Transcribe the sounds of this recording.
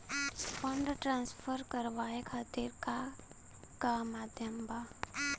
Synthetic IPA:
fə̃ɳɖʈɾãːnsfʰəɾkəɾʋaːekʰaːt̪iɾka | kamaːd̪ʱjəmba

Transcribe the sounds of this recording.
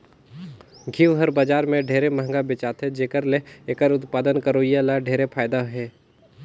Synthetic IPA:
ɡʱiʋɦəɾbaːd͡ʒaːɾmẽɖʱeːɾeməɦŋɡabɪt͡ʃaːt̪ʰed͡ʒeːkəɾleeːkəɾʊt̪paːd̪ənkəɾoːijalaɖʱeːɾepʰaːjd̪aɦɛː

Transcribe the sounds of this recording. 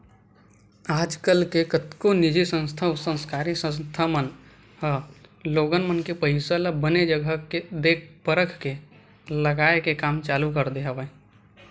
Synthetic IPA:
aːd͡ʒkəlkekət̪konɪd͡ʒisə̃nst̪ʰaʊsə̃nskaːɾisə̃st̪ʰamən | həloːɡənmənkepəɦɪsələbəned͡ʒəɡʱəked̪eːk̚pəɾəkʰke | ləɡaːekekaːmt͡ʃaːlukəɾd̪eɦəʋə

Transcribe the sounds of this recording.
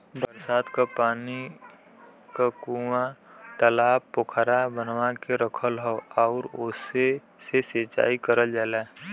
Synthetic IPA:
bəɾsaːd̪kapaːni | kakuwãt̪əlaːbʊkʰɾabənwakeɾəkʰəlɦoɔːɾʊse | seseːt͡ʃa̰ːikəɾəld͡ʒaːla

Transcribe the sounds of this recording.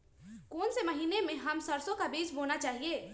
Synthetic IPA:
koːnsemɐɦiːnemẽɦɐmsɐɾsõkabiːd͡ʒboːnat͡ʃaːɦieː

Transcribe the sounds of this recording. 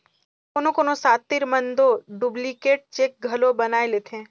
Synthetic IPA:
koːnõkoːnõsaːt̪ːɪɾmə̃nd̪oɖublikeːʈ̚t͡ʃeːk̚ɡʱɐlobɐnaːeleːt̪ʰẽː

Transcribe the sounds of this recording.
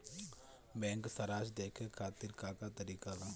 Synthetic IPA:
bɛ̃ːŋksəɾaːd͡ʒd̪eːkʰekʰaːt̪ɪɾkaːkat̪əɾiːkaːʋa

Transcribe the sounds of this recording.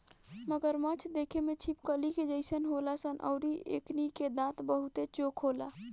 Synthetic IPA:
məɡəɾmət͡ʃʰd̪ekʰemet͡ʃʰipkəliked͡ʒəɪsənɦolasənʔə̰ʊɾiḛkniked̪ãt̪bəɦut̪et͡ʃokʰɦola

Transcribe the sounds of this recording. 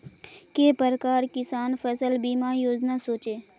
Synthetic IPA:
keːpəɾəkaːɾkɪsaːnfʰəsəlbiːmaːjoːd͡ʒnasoːt͡ʃeː

